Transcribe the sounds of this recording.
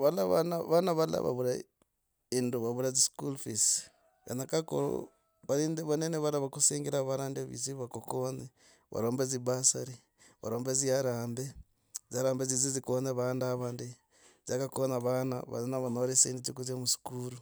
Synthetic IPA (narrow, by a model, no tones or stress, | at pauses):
βalaβanaβanaβala̰βa̰βuɾa | induβaβuɾaziskulfis | ja̰nakako̰ɾo̰ | βaɾiːndeβaneneβalaβakuseːŋɡeɾaβaɾaːndeβḭziβakokone | βa̰ɾoːmbezibasaɾi | βa̰ɾoːmbeziaɾaːmbe | zaɾaːmbezizizikoneβandaβaːndi | zakakonaβana̰βa̰naβanoɾiseinditukuzamusi̥kuɾu